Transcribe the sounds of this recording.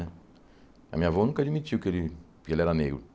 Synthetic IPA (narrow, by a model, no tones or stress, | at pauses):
ɛ | ɐ̰mĩɲavɔnũkɐd͡ʒimit͡ʃiwkelɪ | kɪelɛɾɐneɡɾʊ̰